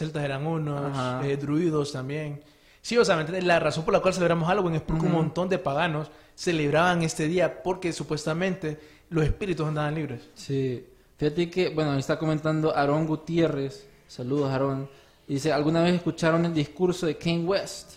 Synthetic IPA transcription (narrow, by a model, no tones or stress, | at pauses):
selt̪aseɾaŋunoahsaed̪ɾuiðost̪ambjen | sios̬eamenelaraso̞mpoɾlakwalseleβɾamosalɣweŋespoɾeuŋmõnt̪o̞nd̪epaɣanosː | eleβɾaβaŋe̞st̪e̞ðiapoɾke̞supwe̞st̪amẽnt̪e | losespiɾit̪usand̪aβanliβɾessi | fihat̪ekebwenojest̪akoment̪and̪oʔaɾoŋɡut̪je̞resː | aluðosaɾon | d̪is̬ealɣunaβeseskut͡ʃaɾoneld̪iskuɾsoðekiŋwest̪